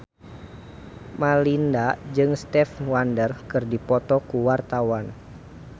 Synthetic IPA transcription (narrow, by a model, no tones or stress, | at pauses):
malindad͡ʒɨŋst̪ɛfwandərkɨrdipɔt̪ɔkuwart̪awan